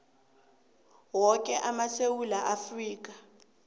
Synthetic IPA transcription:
wɔkʼɛʔamasewulaʔafriːk̬ʼa

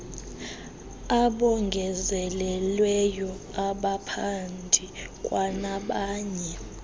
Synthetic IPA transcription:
aɓɔŋɡʱɛzɛlɛlwɛjɔ | aɓapʰandʱikʼwanaɓaːɲɛ

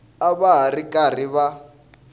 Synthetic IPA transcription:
aβaɦarikʼariβa

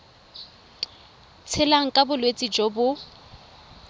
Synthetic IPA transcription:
t͡sʰɪlaŋ̩kʼabʊlwet͡sʼid͡ʒobʊ

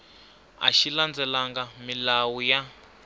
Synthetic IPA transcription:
a̰ʃiland͡zɛlaŋɡamilawuja

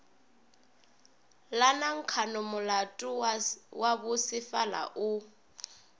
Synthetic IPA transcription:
lanaŋ̩kʰanɔmʊlatʼʊwaβʊsɪfala̰ʔu

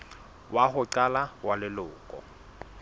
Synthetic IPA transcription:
wahʊǀalawalɪlʊːkʼɔ̰

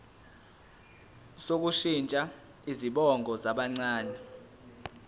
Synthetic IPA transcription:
sok̬uʃint͡ʃʼa | iziɓɔŋɡʱɔzaɓaŋ͡ǀaːnɛ

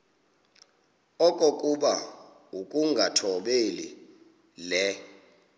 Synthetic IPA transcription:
ɔkʼokʼuɓa | ukʼuŋɡʱatʰɔɓeli | lɛ

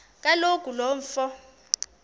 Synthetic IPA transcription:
k̬ʼalokʼulɔːɱ̩fɔ

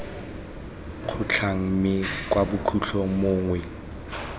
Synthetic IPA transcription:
q͡χʰʊt͡ɬʰaŋ̩mɪkwabʊkʰuɬʰɔmoːŋwɛ

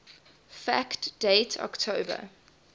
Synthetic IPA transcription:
fæktd̥eɪtʰɔ̰ktʰoːbə̰

